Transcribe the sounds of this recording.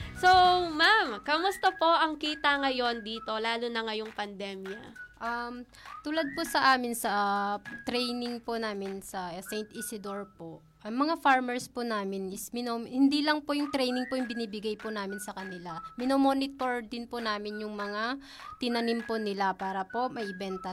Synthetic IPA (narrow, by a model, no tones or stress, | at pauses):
somamkɐmʊst̪ɐpo̞ʔɐŋkiːt̪ɐŋɐjo̞nd̪iːt̪o̞laːlʊnɐŋajʊŋpɐnd̪ɛmjɐʔɐm | t̪uːlɐd̪̚posɐʔaːmɪnsɐt̪ɾɛjnɪŋponaːmɪnsɐsɛjnt̪ʔɪsɪd̪oɹpo | ʔɐŋmɐŋafaɹmɛɹsponaːmɪnɪsmɪnohɪnd̪ilɐŋpojʊŋt̪ɾɛjnɪŋpojʊŋbɪniːbɪɡajponaːmɪnsɐkɐnɪlamɪnomoːnɪt̪o̞ɹd̪ɪnponaːmɪnjʊŋmɐŋa | t̪ɪnɐnɪmponɪlapaːɾɐpo̞ʔmɐʔɪbɛnt̪ɐ